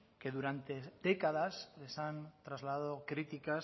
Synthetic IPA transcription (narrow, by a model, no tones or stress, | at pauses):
ke̞ðuɾant̪e̞d̪ekað̞asle̞sant̪ɾazlaðaðokɾit̪ikas